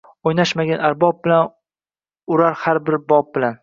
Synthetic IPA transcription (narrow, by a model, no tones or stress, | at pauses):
ojnaʃmaɡʲanaɾbɒb̚bɪlan | ʊɾaɾhaɾbɪɾbɒp̚bɪlan